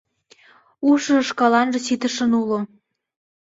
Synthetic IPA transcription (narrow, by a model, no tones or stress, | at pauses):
uʃəʃkɑlɑnʒə̆sit̪ə̆ʃə̆nulo